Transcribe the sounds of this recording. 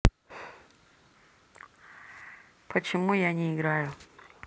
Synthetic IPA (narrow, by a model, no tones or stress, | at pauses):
pʰət͡ɕɪmujaɲʲɪːɡɾajʊ